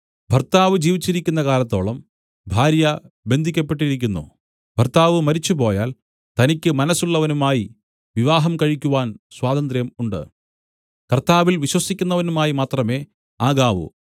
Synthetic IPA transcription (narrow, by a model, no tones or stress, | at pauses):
bʱɐrt̪aːʋɨd͡ʑiːʋit͡ɕːiɾikʲːunːɐkaːlɐt̪ːo̞ːɭɐm | bʱaːɾjɐ | be̞nd̪ʱikʲːɐp̬ːe̞ʈ̬ːiɾik̬ʲːunːṵ | b̥ʱɐrt̪aːʋɨmɐɾit͡ɕːupo̞ːjaːl | t̪ɐnikʲːɨmɐnɐsuɭːɐʋɐnumaːji | ʋiʋaːɦɐmkɐɻikʲːuʋaːnswaːd̪ɐnd̪rjɐmuɳɖɨ̰ | kɐrt̪aːʋilʋiɕwɐsikʲːunːɐʋɐnumaːjimaːt̪rɐme̞ː | aːɣaːʋṵ